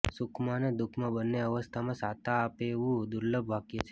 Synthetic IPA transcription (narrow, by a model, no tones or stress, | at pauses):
sʊkʰmãned̪ʊkʰmãbənːeəʋəst̪ʰamãsat̪aːpeʋũd̪uɾləbʱʋakjet͡ʃʰe